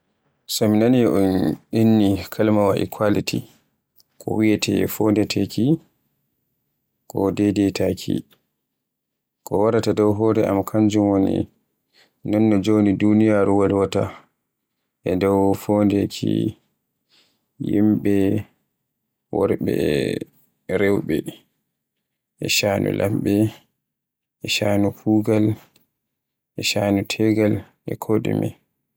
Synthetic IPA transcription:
saminaniɛʔɔnɗinːikʰalmawaʔḭkʰwalitʰḭ | kʰɔ̰wiɛtʰɛ̰fondɛtʰɛki | kɔdɛdɛtakʰḭ | kɔwaɾatadɔwɦɔːɾɛʔa̰makʰaɲd͡ʒumwonḭ | nɔnːɔd͡ʒonidunijaɾuwalwata | ʔɛdɔwfoːndekʰḭ | jḭmɓɛ | wɔ̰ɾɓɛ̰ | ɾewɓɛ | ʔɛʃanʔṵlʔa̰mɓɛ | ʔɛʃanupʰuɡal | ʔɛʃanutʰɛɡal | ʔɛ̰kʰoɗḭmɛ̰

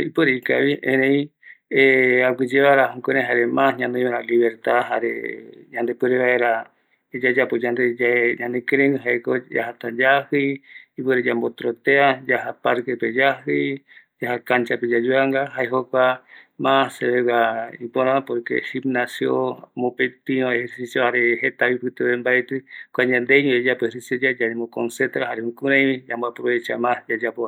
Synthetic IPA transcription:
ipeɾeika̰βiʔẽɾẽĩeakid͡ʒeβaɾaɦõkeɾẽɦaɾemãsɲãnd̪õĩβaɾaliβeɾt̪aɦaɾḛɲãnd̪epɨɾeβaeɾa | ed͡ʒad͡ʒapod͡ʒand̪eaɲãnɨkeɾẽŋɡɨɦaekod͡ʒa̰ɦat̪ãd͡ʒahɨipeɾed͡ʒambot̪ɾot̪ead͡ʒaɦapaɾkeped͡ʒaɦɨ | d͡ʒahakant͡ʃaped͡ʒad͡ʒuaŋɡaɦaeɦokʷamãsseβeβaipoɾãapoɾkḛhibnasjomopet̪iãeheɾsisjohaɾeɦet̪aβipɨt̪eβembaet̪ɨkʷaɲãnd̪eɲũed͡ʒapeɾised͡ʒad͡ʒaɾemokonset̪ɾaɦaɾehukuɾẽjĩd͡ʒambapɾoβet͡ʃa̰mãd͡ʒad͡ʒapoa

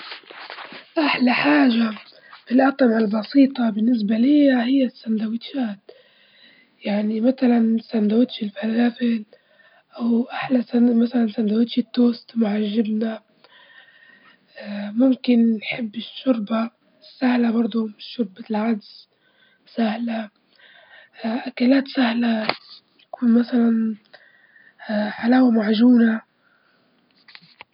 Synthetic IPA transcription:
ʔaħlaħaːʒa | filʔɑt̪ˤmʕalbɑsiːt̪ˤɑbɪnːɪs̬balɪjːahɪjːasːand̪awɪt̪ʃaːt̪̚ | jaʕnimaθalansand̪awɪt̪ʃɪlfalaːfɪl | ʔawʔaħlasamaθalansand̪awɪt̪ʃit̪ːoːst̪mʊʕaʒːɪbna | mʊmkɪnːħɪbːɪʃːʊɾˤba | sːahlabɑɾˤd̪ˤumɪʃːʊɾˤbalʕad̪z | sahla | ʔakalaːt̪sahla | t̪akuːnmasalan | ħalaːwamaʕʒuːna

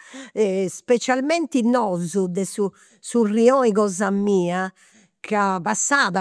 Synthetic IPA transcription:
ɛspɛt͡ʃalmɛnt̪inɔzud̪ɛsu | suriɔiɣɔːzamiːa | kapasːaːða

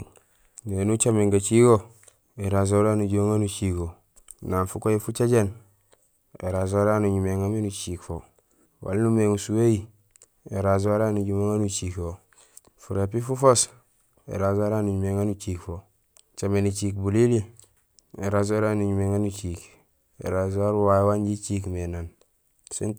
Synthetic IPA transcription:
nenut͡ʃameŋɡat͡ʃiko | eɾaz̬oɾaːnuɟoŋanut͡ʃiko | nanfukojefut͡ʃaɟen | ḛɾazoaɾanuɲumeŋamenut͡ʃiːkfo | wa̰lnumeŋusuweji | eɾazoaɾanuɟumeŋanut͡ʃiko | fuɾepifufos | ḛɾazaɾanuɲumeŋanut͡ʃiːkfo | t͡ʃamenit͡ʃikbulili | eɾaz̬aɾanuɲumeŋanut͡ʃik | ḛɾazaɾuwajwanɟit͡ʃikmenan | sḭn

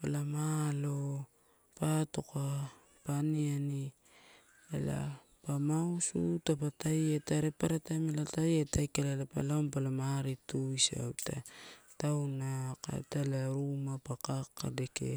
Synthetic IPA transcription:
palamalo | pato̞ka | paniani | ela̰ | pamausutapatajetaɾepaɾatamelatajetajkalalapa̰laompalamaɾituisa̰wtʰatawnaka̰talaɾumapakakːa̰de̞kḛ

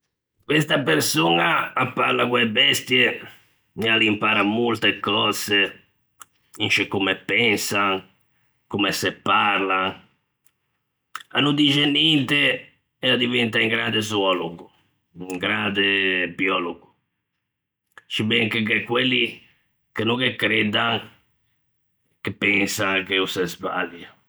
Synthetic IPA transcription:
kwest̪apeɾsunaːpːarlakwɛbɛst̪je | mialimpaːɾamolt̪ekːɔːz̥e | int͡ʃekːumepːɛnsaŋ | kumesɛpːaɾlan | a̰nːud̪id͡ʒenːɛnt̪e | ɛad̪ivɛnt̪aiŋɡɾand̪ez̬wɔluɡu | iŋɡɾand̪ebiɔːloɡu | t͡ʃibɛŋkekekːwelːi | kenukekːɾɛd̪aŋ | kepːɛnsaŋkeusɛzba̰lja

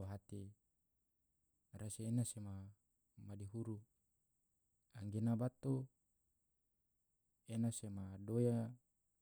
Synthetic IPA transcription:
ɦat̪i | rasiːnasema | madiɦuɾu | aŋɡenabat̪o | enasemadoja

